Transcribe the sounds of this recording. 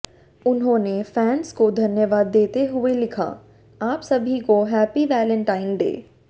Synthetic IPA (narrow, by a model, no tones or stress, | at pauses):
ʊnɦõːnefɛːnskod̪ʱɐnjəʋaːd̪ːeːt̪eɦʊelɪkʰa̰ː | aːpsɐbʱikoɦɛːpiʋɛːlə̃ɳʈaːɪnɖḛː